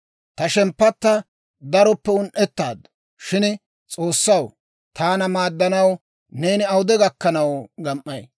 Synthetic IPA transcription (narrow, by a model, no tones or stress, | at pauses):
t̪ɐʃɛmpːɐt̪ːɐ | d̪ɐɾɔpːɛʊnʔɛt̪ːaːd̪ːɔ̥ | ʃɪn | t͡sʼo̞ːsːɐw | t̪aːnɐmaːd̪ːɐnɐw | ne̞ːnɪɐwʊd̪ɛɡɐkːɐnɐwɡɐmʔːɐj